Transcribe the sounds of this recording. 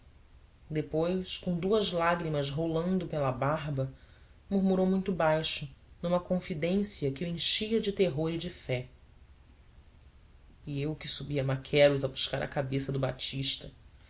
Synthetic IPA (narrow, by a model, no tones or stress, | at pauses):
d̪epojʃkõw̃d̪uɐzlaɡɾimɐzɦolɐ̃nd̪ʊpelɐbaɦbɐ | muɾmuɾowmũj̃t̪ʊbajʃʊnũmɐkõfid̪ẽsiɐkɪẽʃiɐd͡ʒɪt̪eɦoɾid͡ʒɪfɛ | iewkɪsubiɐmakʰɛɾʊzɐbuʃkaɾɐ̰kabesɐd̪ʊba̰t͡ʃiʃt̪ɐ